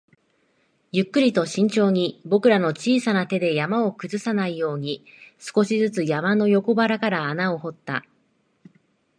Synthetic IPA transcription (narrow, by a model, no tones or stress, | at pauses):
jɯ̟kːɯ̟ɾʲit̪o̞ɕĩɲ̟t͡ɕo̞ːɲ̟ibo̞kɯ̟ɾano̞t͡ɕiːsanat̪e̞d̪e̞jamao̞kɯ̟zɨsanaijo̞ːɲ̟isɨ̥ko̞ɕizɨt͡sɨjamano̞jo̞ko̞baɾakaɾaːnao̞ho̞t̪ːa